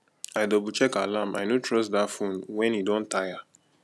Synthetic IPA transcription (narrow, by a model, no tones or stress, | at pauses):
ajdɔbut͡ʃɛkalama̰jnotɹɔsdafũnwɛ̃nidɔ̃ntaja